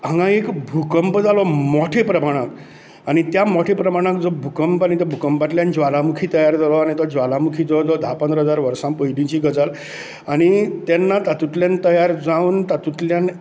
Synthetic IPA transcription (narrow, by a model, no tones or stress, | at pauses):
ãŋɡãekbʱukəmpd͡zalɔmɔʈʰepɾəmaɽ̃ak | aɽ̃it̪jamɔʈʰepɾəmaɽ̃ãkd͡zɔbʱukəmpaɽ̃it̪ɔbʱukəmpaʈ̪ljand͡ʑʋalamukʰit̪əjaɾd͡zʱalɔaɽ̃it̪ɔd͡ʑʋalamukʰiːd͡z̪ɔd͡z̪ɔd̪ʱapə̃nd̪ɾəɦəd͡zaɾʋəɾsãmpəjdĩt͡ɕiɡəd͡zəl | aɽ̃it̪ɛnːat̪at̪ut̪ljant̪əjaɾd͡zauːnt̪at̪ut̪ljan